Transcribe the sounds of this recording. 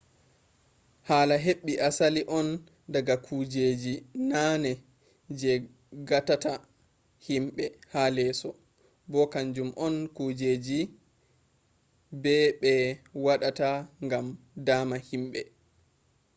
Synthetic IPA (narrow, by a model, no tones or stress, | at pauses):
haːlaɦeɓːiʔasaliʔɔn | daɡakʰud͡ʒeːd͡ʒinanɛ | d͡ʒɛ | ɡatata | himɓɛhalɛsɔ | bɔkaɲd͡ʒumʔɔnkud͡ʒeːd͡ʒi | bɛɓɛwaɗataŋɡam | daːmahimɓɛ